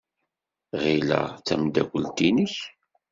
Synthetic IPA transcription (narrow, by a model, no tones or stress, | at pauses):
ʁilæ̰t͡sːæmd̪ækʷːəlt̪inəç